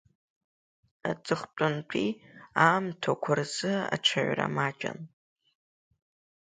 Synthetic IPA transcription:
at͡sʼɨχt͡pʷʼʊnt͡pʷʰʼiamtʰakʷʰarzɨa̰ʈ͡ʂʷʰaʕʷra̰mat͡ʃʼa̰n

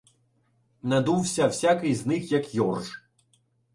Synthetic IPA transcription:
nɐd̪uwsʲɐwsʲakɨjznɪxjɐkjɔrʐ

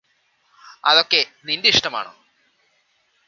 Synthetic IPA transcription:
ɐðo̞kːe̞nindeiʂʈɐma̰ːɳo̰ː

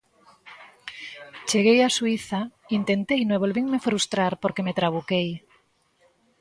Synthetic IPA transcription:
t͡ʃe̞ɣ̞e̞jasuiθaint̪e̞nt̪ejneβ̞o̞lβiŋme̞fɾust̪ɾaɾpoɾke̞me̞t̪ɾaβ̞ukej

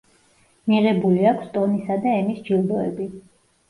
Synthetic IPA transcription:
miʁɛbuliakʷʰst̪ʼɔnisad̪aɛmisd͡ʒilˠd̪ɔɛbi

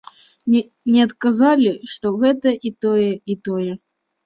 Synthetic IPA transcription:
nʲɛɐt̪kazalʲiʂt̪ɔɣɛt̪ɐʔit̪ɔjɛit̪ɔjɛ

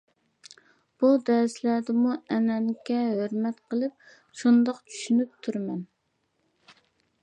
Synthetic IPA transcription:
b̥ud̪ɛɾslæɾd̪ɪmuɛnɛnkʲɛɦøɾmɛt̪qʰəlˠɨp̚ | ʃund̪ɑqt͡ʃʰy̥ʃynyp̚t̪ʰuɾmɛn

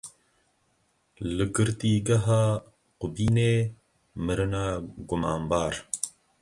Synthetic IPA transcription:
ləɡəɾt̪iːɡɐɦa | qubiːneː | məɾɐnaɡumaːmbaːɾ

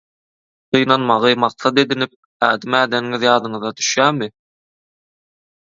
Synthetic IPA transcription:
qʰɯjnɑnmɑʁɯmɑq̚sɑd̪e̞d̪inip̚ | æːd̪imæːd̪enŋiðjɑːd̪ɯɴɯðɑd̪y̥ʃjæːmɪ

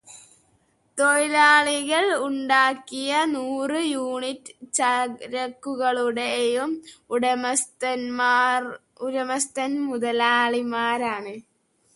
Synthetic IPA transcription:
t̪ojilaːɭiɣɐɭuɳɖaːkːijɐnuːrɨjuːɳitːɨ̥t͡ɕɐɾɐkːuɣɐɭuɽejumuɽɐmɐst̪ɐnːr | uɾɐmɐst̪ɐnmuðɐlaːɭimaːɾaːɳɨ

